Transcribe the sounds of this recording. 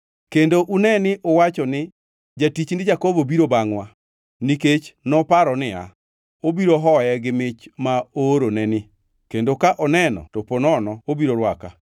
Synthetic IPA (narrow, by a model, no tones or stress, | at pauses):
kendoʔunɛnɪʔowat͡ʃɔnɪ | d͡ʒatit͡ʃndɪd͡ʒakobobiɾobaŋwa | niket͡ʃnɔpaɾɔnɪa̰ | obiɾoɦɔjɛɡɪmɪt͡ʃmaoɾonɛnɪ | kendokaʔɔnɛnɔ̰toponɔnɔobiɾoɾwaka̰